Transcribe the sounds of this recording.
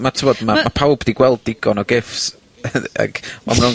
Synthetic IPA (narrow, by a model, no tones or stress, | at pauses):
matʰɪvɔdmamapʰawbdiɡwɛlˠd̚ːɪɡɔnɔɡɪfs | a̰ɡ̥ɔ̰mrɾʊn